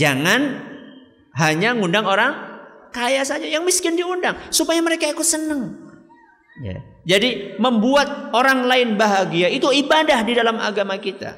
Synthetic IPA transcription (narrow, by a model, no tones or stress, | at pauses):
d͡ʒaŋan | ɦaɲaŋundaŋoɾaŋkajasad͡ʒajaŋmiskɪndiundaŋsupajaməɾekaikʊt̪sənəŋ | ja̰d͡ʒadiməmbuat̪̚oɾaŋlaɪnbaɦaɡiait̪uibadahdidalama̰ɡamakit̪a̰